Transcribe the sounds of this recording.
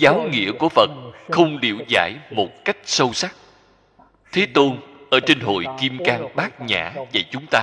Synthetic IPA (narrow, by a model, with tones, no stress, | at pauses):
zaː˨˦wŋḭ˧˨əku˧˩əvə˨˩t̚xə˧wŋ͡mlḭ˧˨əwza̰ː˧˩jmo˨˩t̚ka˦˥jk̟̚sə˧wsa˦˥k̚ | t̪ʰe˨˦t̪o˧nʔəː˧˩t͡ɕe˧nɦo̰˧˨jki˧mkaː˧ŋɓaː˦˥k̚ɲa̰ː˧˩˨və̰˧˩t͡ɕʊ˨˦ŋ͡mt̪aː˧